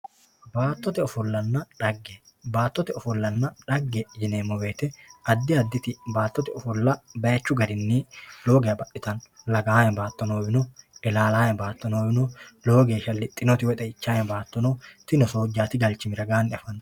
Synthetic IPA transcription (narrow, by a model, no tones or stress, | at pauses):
baːt̪ːɔt̪ɛɔfʊlːɐnːɐᶑɐɡːe | baːt̪ːɔt̪ɛɔfʊlːɐnːɐᶑɐɡːɛd͡ʒɪneːmɔwe̞ːt̪ɛʔɐd̪ːɪɐd̪ːɪt̪ɪbaːt̪ːɔt̪ɛɔfʊlːɐbɐjɐt͡ʃːʊɡɐd̪ɪnːilo̞ːɡejɐbɐʔɪt̪ɐnlɐɡaːjɛnbaːt̪ːɔnoːbɪnɔɛlaːlaːjɛnbaːt̪ːɔnoːbɪnɔlo̞ːɡeːʃɐlːɪt̪ʼɪnɔt̪ɪwɔt̪ʼɛɪt͡ʃːaːjɛnbaːt̪ːɔnɔt̪ɪnɔsoːd͡ʒːaːt̪ɪɡɐlt͡ʃːɪmɪɾɐɡaːnɪɐfɐn